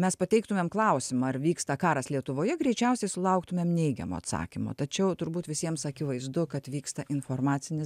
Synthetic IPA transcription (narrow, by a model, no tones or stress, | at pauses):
mʲɛspɐt̪ʲɛɪk̚t̪ʊmʲeɛmklˠɐʊsʲɪmɐɐrʋʲiːkst̪ɐkɑːɾɐslʲiɛt̪ʊʋoːjɛɡɾʲɛɪt͡ʃʲɛʊsʲɛɪsʊlˠɐʊkt̪ʊmʲeːmnʲɛɪɡʲɛ̰mo̰ɐ̰t̪sɑ̰ːkʲɪmo̰ːt̪ɐt͡ʃʲɛʊt̪ʊɾbuːt̪ʋʲɪsʲiɛmsɐkʲɪʋɐɪzd̪ʊkɐt̪ʋʲiːkst̪ɐʔɪnfoːrmɑːtt͡ssʲɪnʲɪ